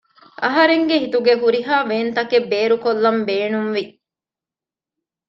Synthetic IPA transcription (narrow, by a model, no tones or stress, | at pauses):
ʔɐɦɐɾeŋɡeɦit̪uɡeɦuɾiɦaːʋeːnt̪ɐkebːeːɾukolːɐmbeːnumʋi